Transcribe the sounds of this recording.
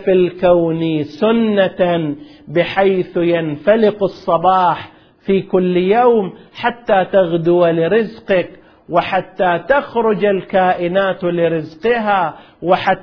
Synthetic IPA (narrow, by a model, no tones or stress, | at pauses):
fɪlkawnisʊnːa | bɪħajθjanfalɪqɑsˤːɑbɑːħ | fiːkʊlːjawmħat̪ːaːt̪aɣd̪ʊwalɪɾɪzqɪk | wɪħat̪ːaːt̪axɾʊd͡ʒalkaːʔɪnaːt̪lɪɾɪzqɪɦa | wɪħa